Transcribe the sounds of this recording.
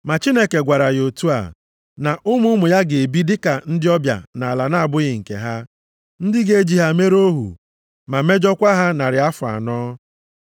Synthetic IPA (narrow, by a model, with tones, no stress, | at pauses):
ma˨t͡ʃi˦ne˦ke˨ɡʷa˨ɾa˨jo˨tu˦a̰˨ | na˨ʔʊ˦mʊ˦mʊ˨ja˦ɡe˨e˨bi˦dɪ˦ka˨n̩˦dɪ˦ɔ˦bja̰˨na˨a˨la˨na˦a˨bʊ˦ɣɪ˨ŋ̩˨kḛ˨ɦa˦ | n̩˦dɪ˦ɡe˦e˦d͡ʒi˨ɦa˦me˦ɾo˦ɦṵ˨ | ma˨me˦d͡ʒɔ˦kʷa˦ɦa˦na˨ɾɪ˨a˦fʊ˨a̰˨nɔː˦